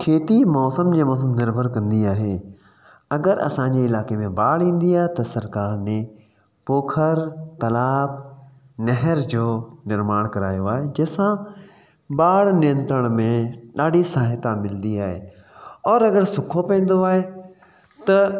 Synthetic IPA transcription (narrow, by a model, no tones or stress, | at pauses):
kʰeːt̪imɔːsəmd͡ʑeːmɔːs̬əmnɪɾbʱəɾkɐ̃nd̪iaːɦe | ɐɡəɾɐ̰sãɲd͡ʑeːɪlaːkemẽbaːɽĩːn̆d̪iaːɦet̪ɐsɐɾkaːɾnẽ | poːkʰəɾt̪ɐlaːb̚ | nɐɦəɾd͡ʑoːnɪɾmaːɽ̃kɐɾaːjoaːɦed͡ʑɐɦːsã | ɓaːɽnɪjə̃nt̪ɾəɽ̃mẽɗaːɖʱisaːɦɪt̪amɪlnd̪iaːɦḛ | ɔːɾɐɡəɾsʊkʰopɛ̃ːn̆d̪oaːɦe | t̪ɐ